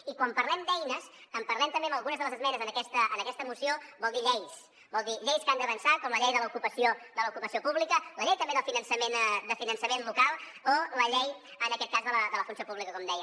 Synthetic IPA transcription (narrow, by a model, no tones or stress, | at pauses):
ikwampəɾlɛmd̪ɛjnəsəmpəɾlɛmt̪əmbeəməlˠɣunəzðəlˠəzəzmɛnəzənəkɛst̪əʔənəkɛst̪əmusiobɔlˠd̪iʎɛjs | bɔlˠd̪iʎejskand̪əβənsat̪̚kɔmləʎɛjðələukupəsiod̪ələukupəsiopuβlikələʎɛjt̪əmbeðəlˠfinənsəmend̪əfinənsəmenlukalˠ | oləʎɛj | ənəkɛt̪̚kazðələðələfunsiopuβlikəkɔmd̪ɛjə